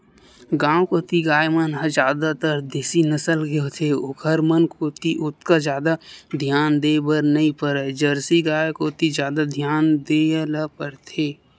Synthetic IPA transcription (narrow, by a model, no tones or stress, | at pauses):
ɡãːwkoːt̪iɡaːjmənɦəzjaːd̪at̪əɾd̪eːsinəsəlɡeot̪ʰeokʰəɾmənkoːt̪iʔʊt̪kazjaːd̪ad̪ʱjaːnd̪eːbəɾnɐĩpəɾəd͡ʒəɾsiɡaːjkoːt̪izjaːd̪ad̪ʱjaːnd̪eːlapəɾt̪ʰeː